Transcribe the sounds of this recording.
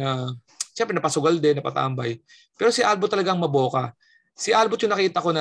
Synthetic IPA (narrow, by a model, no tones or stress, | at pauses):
ɐ | ʃɛmpɾɛnɐpɐsʊɡɐld̪ɛnɐpɐ̰t̪a̰ʔmbaj | pɛːɾosɪʔalbot̪ːɐlɐɡaŋmɐbo̞ːkɐ | sɪʔalbot̪jʊŋnɐkiːt̪ɐko̞nɐ